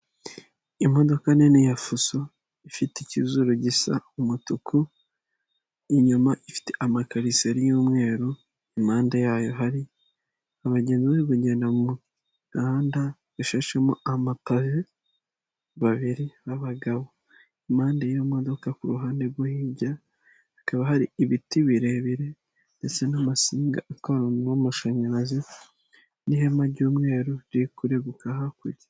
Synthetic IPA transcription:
imo̞do̞kanenijafuso | ifiticizuɾuɟisa̰umutukʰu | iɲumaʔifi̥teʔamakaɾiseɾijuːmŋe̞ːɾu | imaːndajaːjo̞ɦaɾi | aβaɟe̞ːnziβeiβuɟe̞ːndamu | aːnda | βuʃaʃemuʔamakaʒe | βaβiɾiβaβaɡaβo | imaːndejomod̪o̞kakuɾuɦaːndeɡwohiːɟaː | kaβaɦaɾiiβitiβiɾeβiɾe̞ | nde̞t͡se̞namasiːŋɡa̰akaɾoomuʃaɲaɾazi | niɦemaɟuːmŋe̞ːɾoikuɾeɡukaɦakuɾi

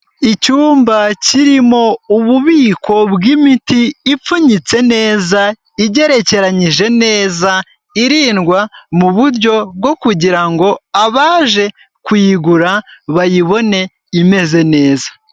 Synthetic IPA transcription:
icuːmbaciɾimo̞uβuβiːkʰo̞βɡimitiːp͡fuɲit͡se̞ne̞ːza | iɟe̞ɾe̞ce̞ɾaɲiʒe̞ne̞ːza | iɾiːnɡwamuβuɾɟo̞b̚ɡo̞kuɟiɾaŋɡo̞aβaːʒe̞ | kwiːɡuɾaβajiβo̞ne̞ | ime̞ze̞ne̞ːza

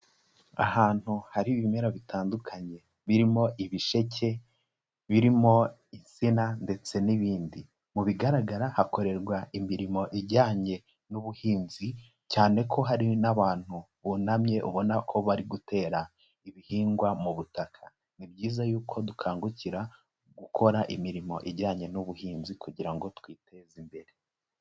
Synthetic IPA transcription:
a̰haːn̥huhaɾiβimeɾoβitʰaːndukʰaɲe̞ | βiɾimo̞ʔiβiʃe̞cʰe̞ | βiɾimo̞ | isinande̞t͡se̞niβiːndi | muβiɡaɾaɡaɾahako̞ɾe̞ɾɡwaimiɾimo̞ʔiɾɟaːɲe̞ | nuβuhiːnzi | caːne̞kʰo̞ɦaɾinaβaːn̥hu | βunamɲe̞ʔuβo̞nakʰo̞βaɾiɡute̞ːɾa | iβihiːŋɡwamuβutakʰa | nibɟiːzajuːkʰo̞dukʰaːŋɡuciɾa | ɡ̥ukʰo̞ɾaʔimiɾimo̞̰ʔiɾɟaːɲe̞nuβuhiːnzikuɟiɾaŋɡo̞twiːtezimbe̞ɾe

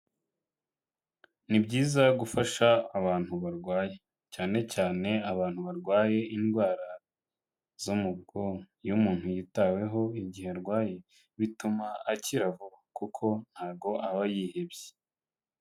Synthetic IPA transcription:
nibɟiːzaɡufaʃaːβaːn̥huβaɾɡwaːje | caːne̞caːne̞aβaːn̥huβaɾɡwaːje̞inɡwaːɾa | zomubɡo | jumuːn̥hujitawe̞ɦo̞iɟiheɾɡwaːje | βitumaːciɾavukukʰo̞n̥haːb̚ɡo̞ʔaβajiːhe̞bje̥

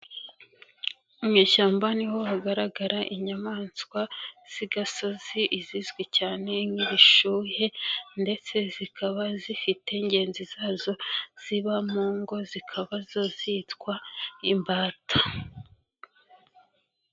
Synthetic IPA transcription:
umɲiːʃaːmbaniho̞haɡaɾaɡaɾaʔiɲamaːnskwaz̥iɡaso̞ziʔizizɡwecaːne̞ŋiβiʃuːhe̞nde̞t͡se̞zikʰaβazifite̞iɲɟe̞ːnzizaːzo̞z̥iβamuːŋɡo̞zikʰaβazo̞zitkwaimbaːtḁ

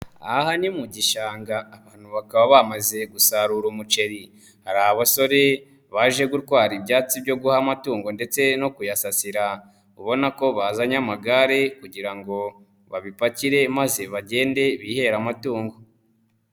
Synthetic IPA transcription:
a̰hanimuɟiʃaːŋɡaːβaːnhuβakaβaβamaze̞ɡusaɾuɾumut͡ʃe̞ɾi | haɾaaβaso̞ɾe̞ | βaʒe̞ɡutkwaːɾibɟaːt͡sibɟo̞ɡuhamatuːŋɡo̞nde̞t͡se̞no̞kujasasiɾa | uβo̞nako̞βazaɲamaɡaɾe̞kuɟiɾaŋɡo̞ | βaβipaciɾe̞maze̞βaɟe̞ːnde̞βihe̞ɾamatuːŋɡo̞

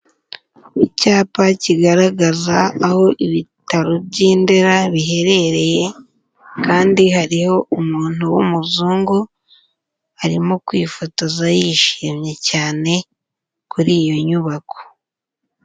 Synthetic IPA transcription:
icaːpaciɡaɾaɡazaːho̞ʔiβitaɾobɟiːndeɾaβiɦe̞ɾe̞ɾe̞je̞ | kaːndihaɾiho̞ʔumuːn̥uwumuzuːŋɡu | aɾimokwiːfotozajiʃiːmɲe̞caːne̞ | kuɾiːjo̞ɲuβako̥

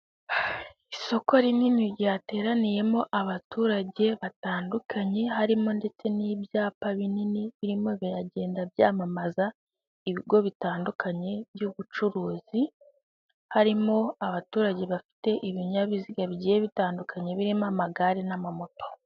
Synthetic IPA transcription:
iso̞ko̞ɾininiɾjaːte̞ːɾanije̞mo̞ʔaβatuːɾaɟe̞βataːndukʰaɲe̞ɦaɾimo̞nde̞t͡se̞niːbjaːpaβininiβiɾimo̞βiɾaɟe̞ːndabjaːmamaza | iβiɡo̞βitaːndukaɲe̞βjuβut͡ʃuɾuːzi | haɾimo̞aβatuːɾaɟe̞βafi̥te̞ʔiβiɲaβiziɡaβiɟijeβitaːndukʰaɲe̞βiɾimamaɡaɾenamamo̞to

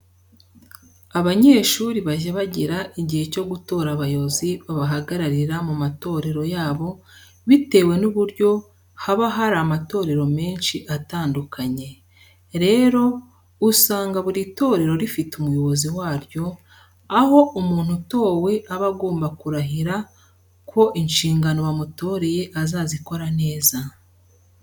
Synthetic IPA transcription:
aβaɲe̞ːʃuːɾiβaʒaβaɟiɾaʔiɟihe̞co̞ɡuto̞ːɾaβajo̞βoziβaβaɦaɡaɾaɾiɾamumato̞ːɾe̞ɾo̞jaːβo̞ | βite̞ːwe̞nuβuɾɟo̞ | haβaɦaɾamato̞ːɾe̞ɾo̞me̞ːnʃiʔataːndukʰaɲe̞ | ɾe̞ːɾo̞ | usaːŋɡaβuɾito̞ːɾe̞ɾo̞ɾifitumujo̞βo̞ziwaːɾjo̞ | aɦo̞ʔumuːn̥huto̞ːwe̞ʔaβaɡo̞ːmbakuɾaɦiɾa | kʰo̞ʔinʃiːŋɡano̞βamuto̞ːɾe̞je̞ʔazaːziko̞ɾane̞ːza

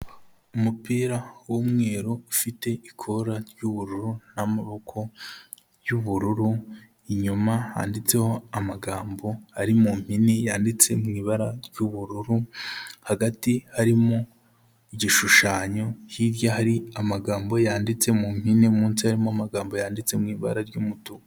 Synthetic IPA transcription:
umupiːɾawomŋe̞ːɾoufite̞ʔikʰoɾaɾjuβuɾuɾunamaβo̞kʰo̞ | juβuɾuɾu | iɲumaha̰ːndit͡se̞ho̞amaɡaːmbo̞haɾimum̥hinejaːndit͡se̞mŋiːβaɾaɾɟuβuɾuɾuhaɡatihaɾimo̞ | iɟiʃuʃaːɲo̞jiɾjaɦaɾiamaɡaːmbo̞jaːndit͡se̞mum̥hineumuːnsihaɾimoamaɡaːmbo̞jaːndit͡semŋiːβa̰ɾaɾɟumutua

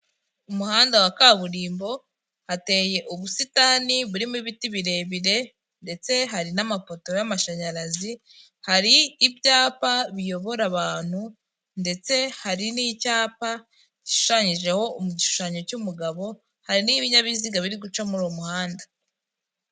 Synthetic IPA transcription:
umuhaːndawakaβuɾiːmbo̞ | hate̞ːje̞ʔuβusitaniβuɾimuiβitiβiɾe̞βiɾe̞ | nde̞t͡se̞ɦaɾinamafo̞to̞jamaʃaɲaɾazi | haɾiːbɟaːpaβijo̞βo̞ɾaβaːn̥hu | nde̞t͡se̞haɾiniːcaːpa | ɟiʃu̥ʃaɲiʒe̞ho̞umuɟiʃu̥ʃaɲo̞cumuɡaβo̞ | haɾiniβiɲaβiziɡaβiɾiɡut͡ʃomuɾomuhaːnda

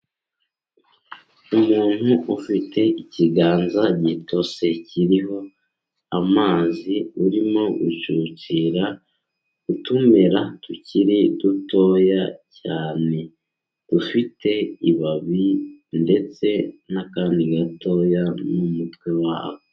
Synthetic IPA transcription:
umuːn̥huʔufitʰe̞iciɡaːnzaɟito̞se̞ciɾiɦo̞ | amaːziuɾimo̞ut͡ʃuciːɾa | ɡutumeɾatuciɾiduto̞ːjacaːne̞ | d̥ufitʰe̞iβaβinde̞t͡se̞nakaːndiɡato̞janumutwewa̰βo

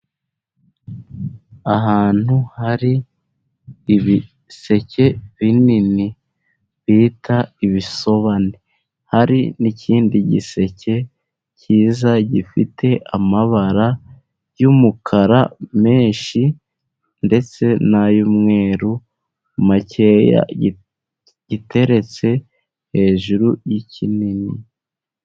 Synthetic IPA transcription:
aɦaːn̥huhaɾi | βi | se̞ce̞βinini | βiːtʰaiβiso̞βane | haɾinicʰiːndiɟḭse̞ce̞ | ciːzaɟifitʰe̞ʔamaβaɾa | jumukʰaɾame̞ːɲʃi | nde̞t͡se̞najumŋe̞ːɾu | mace̞ja̰ | ɟ̥ite̞ɾe̞t͡se̞ | he̞ːʒuɾujicinini

